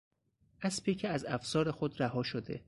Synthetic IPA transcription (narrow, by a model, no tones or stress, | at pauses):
ʔæspʰecʰeæzæfsɒːɾexod̪ɾæɦɒːʃod̪e̞̰